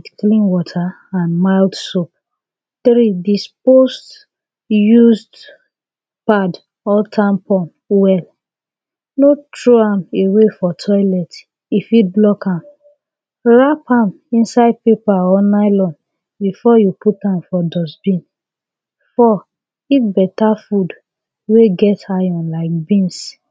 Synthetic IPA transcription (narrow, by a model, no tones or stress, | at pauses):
dklĩnwɔtʰa | ãnmaɪldsop̚ | θɾidispost | juzd | pad | ɔtʰãmpɔ̃n | wɛl | notɹoãmewefɔtʰɔɪlɛt | ifiblɔkãm | ɹapʰãm | ĩnsaɪd̚pepaɔnaɪlɔ̃n | bifɔjuputãmfɔdɔsbĩn | fɔ | itbɛtafud | weɡɛtajɔ̃nlaɪk̚bĩns